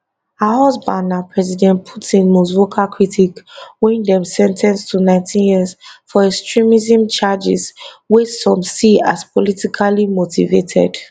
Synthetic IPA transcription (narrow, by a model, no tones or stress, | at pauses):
ahɔzbãndãpʰɹɛzidɛ̃ntpʰutĩnmosvokʰakɹitʰikwɛ̃ndɛ̃msɛ̃ntʰɛ̃nstʰunãɪ̃ntʰĩnjizfɔɛkstʰɹĩmizĩmt͡ʃad͡ʒḭzwɛsɔ̃msiaspɔlitikʰalimotivetʰɛ̰d̥